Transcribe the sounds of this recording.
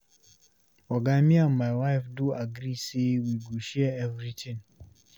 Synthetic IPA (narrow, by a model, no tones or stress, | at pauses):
ɔɡamĩammaɪwaɪfduaɡɾisiwiɡuʃɛɛvɾitʰĩn